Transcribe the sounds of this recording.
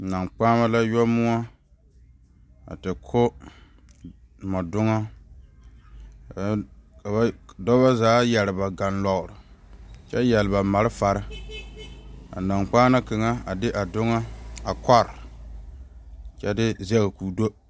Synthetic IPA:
na˨ŋk͡paː˦ma˦la˦jɔ˦mʊ˦ŋa˦ | a̰˨tɨ˨kʰo˦ | mɔ˨dʊ˦ŋa˦ | ka˨ba˦dɔ˦ba˦zaː˨˦jɛ˨lɪ˨ba˨ɡa˨nlɔ˨ɣʊ˨ɾɨ˨t͡ʃɛ˦jɛ˨lɨ˨ba˨ma˨ɾɨ˦fa˨ɾɨ˦ | a̰˨na˨ŋk͡paː˦na˦kɨ˨ŋa˦a˨dɪ˦ʔa˨dʊ˦ŋa˦a˨kɔ˦ɾ | t͡ʃɛ˦dɪ˦zɛ˦ɣɨ˨kuː˨do˦

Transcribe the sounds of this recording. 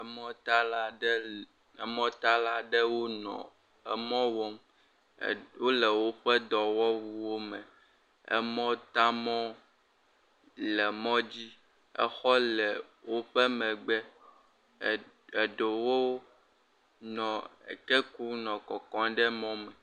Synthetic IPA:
mɔ̃˦t̪a˦la˦ | ɛ˦mɔ̃˦t̪a˦la˦ɖɛ˦wo˦nɔ̰̃˨ | ɛ̰˦mɔ̃˦wɔ˦m | wo˦lɛ˨wo˦ɸɛ˦d̪ɔ˨wɔ˦wu˦wo˦mɛ̃˨ | ɛ̰˦mɔ̃˦t̪a˦mɔ̃˦ | lɛ˨mɔ̃˦d͡ʑi˦ | ɛ̰˦xɔ˦lɛ˨wo˦ɸɛ˦mɛ̃˨ɡ͡bɛ˦˨ | ɛ˨ɖo˨wo˦ | nɔ̃˨ḛ˨kɛ˦ku˦nɔ̃˨kɔ˨kɔ̃˨˦ɖɛ˦mɔ̃˦mɛ˨

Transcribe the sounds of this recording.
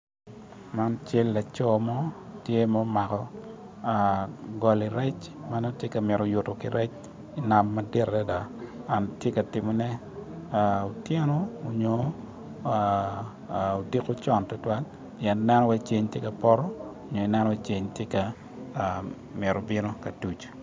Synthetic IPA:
ma˦nt͡ʃe˦lːa˨t͡ʃɔ˦mɔ˦tje˦mɔ˦ma˨kɔ˨ | aɡɔ˨li˨ɾɛ˦t͡ʃma˦no˦tje˦ka˨mɪ˨ɾo˨ju˨to˨ki˨ɾɛ˦t͡ʃ | i˨na˨mːɐde˦ɾda˦da˨a˨ntje˦ka˨tɪ˨mo˨nɛ˦ | ao˨tjɛ˦nɔː˦˨ɲo˨ | a | o˨di˦ko˦t͡ʃɔ˨ntɔ˦twa˦l | pjɛ˨nnɛ˦nɔ˦wɛ˦t͡ʃe˦ɲtje˦ka˨pɔ˦ɾɔ˦o˨ɲo˨i˨nɛ˦nɔ˦wɛ˦t͡ʃe˦ɲtje˦ka˨ | mɪ˨ɾo˨bɪ˦no˦ka˨tu˨t͡ʃ

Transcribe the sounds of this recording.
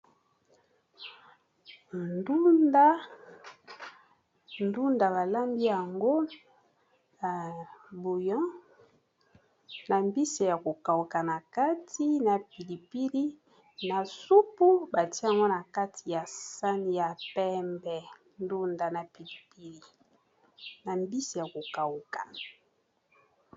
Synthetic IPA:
ndu˦nda˦ | ndu˦nda˨ba˨la˦mbi˦ja˨ŋɡo˦ | ja˨bu˨jɔ̃˦ | na˨mbi˦se˨ja˨ko˨ka˨u˨ka˨na˨ka˦tʰi˦na˨pi˨li˨pi˦li˦ | na˨su˦pu˦ba˨ti˦a˨ŋɡo˦na˨ka˦tʰi˨ja˨sa˦ni˨ja˨pɛ˦mbɛ˨ | ndu˦nda˨na˨pi˨li˨pi˦li˨ | na˨mbi˦si˨ja˨ko˨ka˨wu˨ka˨

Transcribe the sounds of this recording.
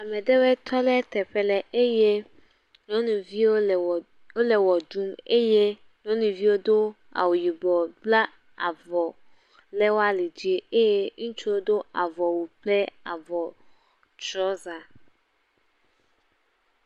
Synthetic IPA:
a˨mɛ̃˨dɛ˦wɛ˦t̪ʰɔ˦lɛ˦t̪ɛ˨ɸɛ˦lɛ˨ʔe˦je˦ | ɲɔ̃˦nũ˨vi˦wo˦˨ | wo˦lɛ˨wɔ˨du˦me˦je˦ | ɲɔ̃˦nũ˨vi˦wo˦d̪o˦ | a̰˨wu˨ji˨bɔ˨bla˦ | a̰˨vɔ˨ | lɛ˦wo˦a˦le˨d͡ʑi˦e˦˨e˦je˦ŋũ˦t͡ʃu˦wo˦d̪o˦a˨vɔ˨wu˨plɛ˦a˨vɔ˨ | t͡ʃɾɔ˨˦za˨

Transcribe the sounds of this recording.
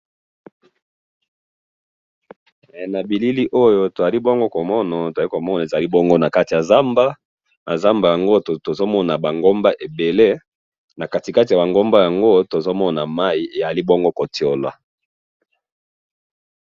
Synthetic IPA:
na˨bi˨li˦li˦ʔo˦jo˦to˨ja˨li˦bo˦ŋɡo˦ko˨mɔ˦na˨to˨a˨li˦ko˨mɔ˦na˨e˨za˨li˦bo˦ŋɡo˦na˨ka˦ti˨ja˨za˦mba˦ | na˨za˦mba˨ja˨ŋɡo˦˨to˨zo˦mɔ˦na˨ba˨ŋɡo˦mba˦ʔe˨be˨le˦ | na˨ka˦ti˨ka˦ti˨ja˨ba˨ŋɡo˦mba˦ja˨ŋɡo˦to˨zo˦mɔ˦na˨ma˦i˨e˨ja˨li˦bo˦ŋɡo˦ko˨ti˨o˨la̰˨

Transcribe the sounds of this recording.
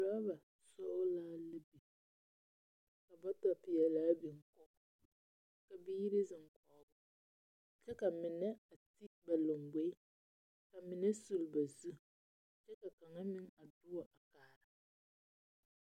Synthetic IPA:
la˦ba˨ | sɔ˦laː˦lɨ˦bi˨ | ka˨ba˦ta˦pɪ˨jɛ˨laː˦bi˨ŋ˦kɔ˦ | ka˨bi˦ɾɪ˦zɪ˨ŋ˨kʰɔː˨bʊ˦ | t͡ʃɛ˦ka˨mɪ˨nɛ˦a˨ti˦ba˨lo˨ŋɡ͡be˦ | ka˨mɪ˨nɛ˦su˨lba˨zu˦ | t͡ʃɛ˦ka˨ka˨ŋa˦mɪ˦ŋa˨dʊ˦wa˨ʔa˨kaː˨ɾa˨

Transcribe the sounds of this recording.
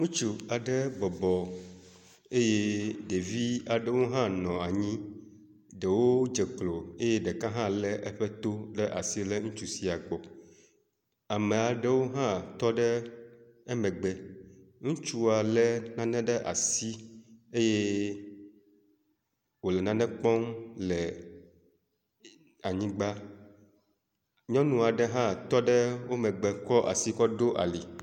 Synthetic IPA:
ŋũ˦t͡ʃu˦a˨ɖɛ˦bɔ˨bɔ˨ | e˦je˦ɖe˨vi˦a˨ɖə˦wo˦ɦã˦nɔ̃˨a˨ɲĩ˦ | ɖɛ˨wo˦d͡ʒɛ˨k͡plo˨e˦je˦ɖɛ˨kã˦ɦã˦lɛ˦ʔɛ˦ɸɛ˦t̪o˦ɖɛ˦ʔa˨si˦lɛ˦ŋũ˦t͡ʃu˦si˨˦a˨ɡ͡bɔ˨ | a˨mẽ˨a˨ɖɛ˦wo˦ɦã˦t̪ɔ˦ɖɛ˦ | ɛ˦mɛ̃˨ɡ͡bɛ˨ŋũ˦t͡ʃu˦a˨lɛ˦nã˦nɛ̃˦ɖɛ˦ʔa̰˨si˦e˦je˦ | wo˨lɛ˨nã˨nɛ̃˦k͡pɔ˦mlɛ˨ | a˨ɲĩ˦ɡ͡ba˦ | ɲɔ̃˦nũ˨a˨ɖɛ˦ɦã˦t̪ɔ˦ɖɛ˦wo˦mɛ̃˨ɡ͡bɛ˨kɔ˦ʔa̰˨si˦kɔ˦ɖo˦ʔa̰˨li˨

